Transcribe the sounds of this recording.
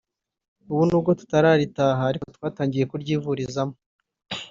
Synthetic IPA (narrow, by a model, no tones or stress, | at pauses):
uβunuːb̚ɡo̞tu̥taɾaɾitaːɦaːɾikotwaːtaːɲɟije̞kuɾɟiːvuɾizamo